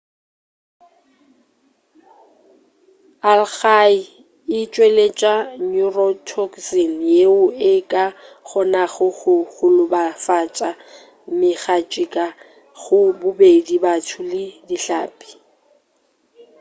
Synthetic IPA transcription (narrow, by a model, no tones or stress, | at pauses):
alɣai | ɪt͡ʃʼwelet͡ʃʼaɲurɔtʰɔksɛnjeʊɪkʼaɣɔnaɣʊɣʊɣʊlʊbafat͡ʃʼa | mɪχat͡ʃʼɪkʼa | ɣʊbʊbedibatʰʊlɪdiɬaːpʼi̥